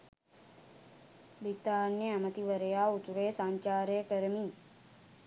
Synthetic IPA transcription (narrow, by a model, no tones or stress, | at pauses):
bit̪aːnjeamət̪iʋəɾəjaːut̪uɾeːsaɲt͡ʃaːɾəjəkəɾəmiː